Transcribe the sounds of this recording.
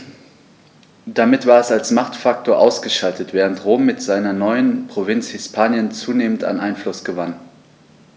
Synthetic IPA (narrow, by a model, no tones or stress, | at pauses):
d̥amɪtv̥aːɐɛsalsmaχtfak̚tʰoːɐʔaʊsɡ̥əʃaltətv̥ɛːʁ̞əntʁoːmːɪtz̥aɪnɐnɔʏənpʁ̥ovɪnt͡shɪspʰaːnjənt͡suːneːmənta̰nʔaɪnflʊsɡ̥əvan